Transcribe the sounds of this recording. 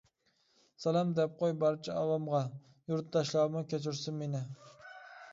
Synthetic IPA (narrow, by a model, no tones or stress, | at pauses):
sɑlˠɑmd̪ɛp̚qʰojbɑɾt͡ʃʰɛɑwɑmʁɑ | juɾt̪̚d̪ɑʃlˠɑɾmɨkʲæt͡ʃʰɪɾsɪnmenɪ